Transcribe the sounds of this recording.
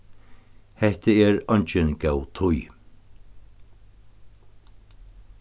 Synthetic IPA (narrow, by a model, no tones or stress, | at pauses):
hɛht̪əɛɾɔɲt͡ʃɪnkɛwt̪ʰʊj